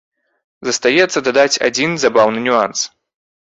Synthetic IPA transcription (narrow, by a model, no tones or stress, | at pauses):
zɐst̪ajɛt̪sːɐd̪ad̪at͡sʲa̰d͡zʲinzabawnɨnʲuans